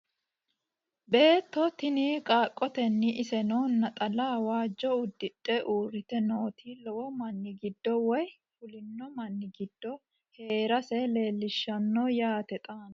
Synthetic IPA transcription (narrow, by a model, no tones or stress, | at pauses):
be̞ːt̪ːɔt̪ɪniːkʼaːkʼːɔt̪ɛnːɪʔɪsɛnoːnːɐt̪ʼɐlaːwaːd͡ʒːɔʊd̪ːɪtʼːɛʔuːrɪt̪ɛno̞ːt̪ʰiːlɔwɔmɐnːɪɡɪd̪ːɔwɔj | fʊlɪnːɔmɐnːɪɡɪd̪̥ːɔ | he̞ːɾɐsɛle̞ːlːɪʃːɐnːojaːt̪ɛt̪ʼaːn